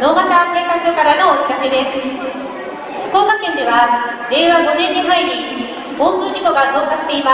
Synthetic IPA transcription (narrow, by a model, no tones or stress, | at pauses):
no̞ːɡat̪aːkɯ̟ɾekat͡sɨjokaɾano̞ːkʲi̥kake̞d̪e̞sɨ̥ | ɸɯ̥ko̞ːkakẽ̞nd̪e̞βaɾe̞ːβaɡo̞nẽ̞ɲːiɦaiɲ̟i | oːt͡sɨːʑiko̞ɡazo̞ːkaɕi̥t̪e̞ima